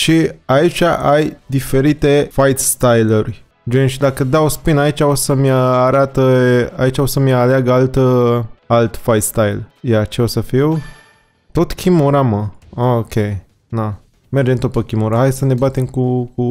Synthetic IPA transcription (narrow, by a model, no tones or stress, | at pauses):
ʃiait͡ʃʲaʔajd̪ife̞ɾit̪e̞fajt̪st̪ajlurʲ | d͡ʒenʃd̪akəd̪aospinait͡ʃʲao̞səmʲəaɾat̪əait͡ʃao̞səmaleaɡəalt̪əalt̪fajt̪st̪ajljat͡ʃeo̞səfiw | t̪o̞t̪kʲʰimoɾaməaokʲe | na | me̞rd͡ʒent̪opəkʲimoɾaɦajsəne̞bat̪emkuku